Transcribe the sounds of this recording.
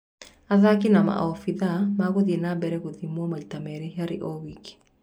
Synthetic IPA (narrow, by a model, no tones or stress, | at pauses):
aðakinama̰ʔɔfiðamaɣoðinabɛɾɛkoðimwɔmaitamɛɾeɦaɾḛʔɔwiki̥